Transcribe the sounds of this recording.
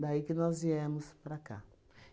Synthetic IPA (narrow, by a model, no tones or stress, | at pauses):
d̪aikɪnɔzviɛmʊspɾaka̰